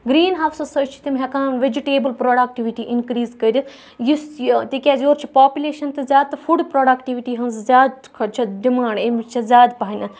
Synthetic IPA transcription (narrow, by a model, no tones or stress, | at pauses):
ɡɾiːnɦaːwsɐsɐt͡ʃʰi̥t̪imɦʲɐkãːnʋed͡ʒiʈeːbəlpɾoːɖaːk̚ʈiʋiʈiʔɪnkɾiːzkɐɾʲi | jist̪ikʲaːzʲoːɾt͡ʃʰi̥paːpʲuleːʃɐnt̪ɨzʲaːd̪̚t̪ɐfʰuɖpɾoːɖaːkʈiʋiʈiːɦɐnzzʲaːd̪ | kʰɐt͡ʃʰɐd̪imaːɳemt͡ʃʰɐzʲaːd̪paːnʲɐ